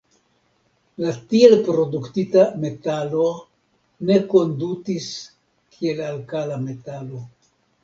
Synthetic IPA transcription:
latie̞lpɾo̞duktitame̞talo̞ | ne̞ko̞ndutis | kʰie̞lalkalame̞talo̞

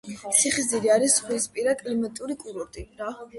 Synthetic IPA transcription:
siχiziɾiaɾisχwispʼiɾakʼlimat̪ʼuɾikʼuɾɔɾt̪ʼiɾa

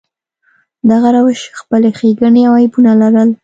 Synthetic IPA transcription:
d̪aɣaɾawəʃxpəlexeɡəɳeawajpunalaɾəl

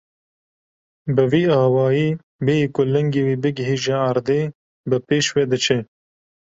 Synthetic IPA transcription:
bɨviːɑːwɑːjiː | beikʊlɛŋɡewiːbɨɡɪɦiːʒeaɾd̪eː | bɨpeːʃwed̪ɨt͡ʃʰɛ

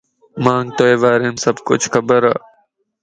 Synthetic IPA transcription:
mãːŋɡ̚t̪oeːʋaːɾẽːmsəbkʊt͡ʃʰxəbəɾaː

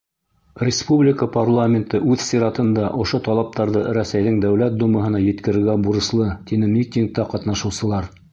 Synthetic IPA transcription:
rʲɪspublʲɪkəparlˠamʲɪnt̪ɤʔʉðsʲiɾɑt̪ɤ̆nd̪ɑʔŏʃot̪ɑlˠɑp̚t̪ɑɾðɤɾæsæjðɘŋd̪æwlæt̪̚d̪umɤ̆ɦɤ̆nɑjɘ̆t̪kɘ̆ɾɘ̆ɾɡæbuɾɤ̆slˠɤt̪inɘmʲikt̪ʲiŋk̚t̪ɑqɑt̪nɑʃɤ̆wsɤ̆lˠɑɾ

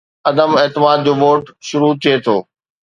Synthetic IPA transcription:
ɐd̪əmeːt̪ɪmaːd̪̚d͡ʑoːʋoːʈʃʊɾut̪ʰiet̪ʰoː

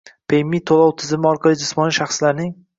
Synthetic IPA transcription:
pʰejmːit̪ʰolˠɒwt̪ʰɪzɪmɪɒɾqʰɑlˠɪd͡ʒɪsmɒnɪʃaχslaɾnɪŋ

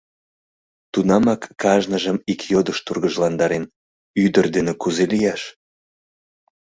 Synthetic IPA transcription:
t̪unɑmɑkːɑʒnəʒəmikjod̪əʃt̪urɣəʒlɑnd̪ɑɾen | yd̪ərd̪enekuzelijɑʃ

